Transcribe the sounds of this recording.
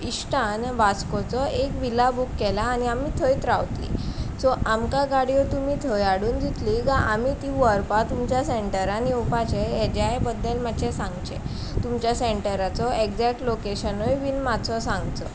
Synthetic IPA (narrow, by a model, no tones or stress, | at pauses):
iɕʈanʋat͡skɔt͡sɔʔekʋilabukːɛlaːñiamiːt̪ʰəjt̪ɾaʋt̪lḭsɔʔamkaɡaɽijɔt̪umiːt̪ʰɔjaɽuːnd͡ʑit̪liɡaʔamit̪iʋəɾpat̪umt͡ɕjaseɳʈəɾaniupat͡ɕeed͡ʑajbəd̪ːəlmat͡ɕɛsãŋɡt͡ɕḛ | t̪umt͡ɕjaseɳʈəɾat͡sɔekd͡zɛk̚ʈlokeɕənojʋinmat͡sʰɔsãŋɡt͡sɔ̰